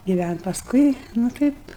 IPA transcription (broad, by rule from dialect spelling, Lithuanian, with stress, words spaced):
ɡʲɪˈʋʲænʲtʲ pɐsˈkʊɪ nʊ ˈtɐɪp